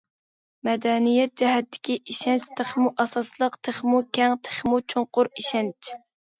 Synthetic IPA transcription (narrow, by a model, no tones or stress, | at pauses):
mɛd̪ɛnijɛt̪̚d͡ʒɛɦɛt̪ʰːɪ̥kʲiʔiʃɛnt͡ʃt̪ʰəχmuʔɑsɑslˠəqt̪ʰeχmukʲɛŋt̪ʰe̥χmut͡ʃʰoŋqʊɾiʃɛnt͡ʃ